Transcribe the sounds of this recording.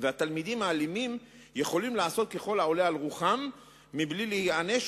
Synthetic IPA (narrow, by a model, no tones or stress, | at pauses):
veat̪almid̪imaːlimim | je̞χo̞limlaːso̞t̪̚ke̞χo̞lao̞lealʁuχamː | iblilehiane̞ʃ